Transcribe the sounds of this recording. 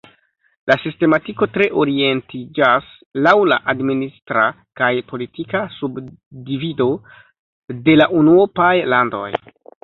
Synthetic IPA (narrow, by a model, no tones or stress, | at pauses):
lʔasiste̞matiko̞tɾe̞ʔo̞ɾie̞ntʰid͡ʒas | lawla̰ʔadministɾa | kajpo̞litikasubdivido̞ | de̞laʔunuopajlando̞̰j